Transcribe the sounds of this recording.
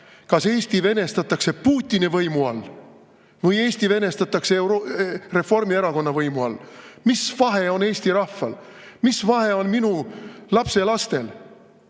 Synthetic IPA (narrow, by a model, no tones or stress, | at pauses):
kɑse̞ːst̪ive̞ne̞st̪ɑt̪ːˑɑkse̞puːt̪ʲːˑinivɤjmuɑl | vɤje̞ːsʲt̪ive̞ne̞st̪ɑt̪ːˑɑkseɾore̞fo̞rmieɾɑko̞nːɑvɤjmuɑ̰lmisvɑɦe̞o̞ne̞ːsʲt̪iɾɑhfːɑlmisvɑɦe̞o̞nminulɑpse̞lɑst̪e̞l